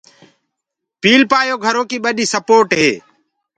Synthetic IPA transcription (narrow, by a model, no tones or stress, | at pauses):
piːlpaːjoːɡʱəɾoːkiːɓəɗiːsəpoːʈɦeː